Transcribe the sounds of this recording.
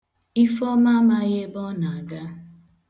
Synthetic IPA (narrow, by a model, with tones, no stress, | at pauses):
i˦fɔ˦ma˦ma˦ɣe˦bɔ˦na˨a˨ɡa˦